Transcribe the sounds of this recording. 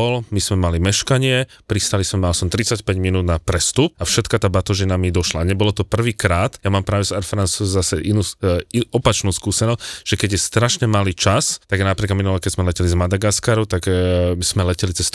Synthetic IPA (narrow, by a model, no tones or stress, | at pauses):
ɔlmismɛmalimɛʃkaɲɪɛ | pɾist̪alismɛmalsɔmt̪ɾit͡sacpɛɟminuːd̪napɾɛst̪up̚afʃɛt̪kat̪aːbat̪ɔʒinamid̪ɔʃlaɲɛbɔlɔt̪ɔpr̩ʋiːkɾaːt̪jamaːmpɾaːʋɛsaɾfɾansuzasɛʔinuiɔpat͡ʃnuːskuːsɛnɔscʒ̥ɛkɛɟjɛst̪ɾaʃɲɛmaliːt͡ʃast̪aɡnapɾiːkaminulɛkɛzmɛlɛcɛlizmad̪aɡaskaɾut̪aɡkz̥mɛlɛcɛlit͡sɛst̪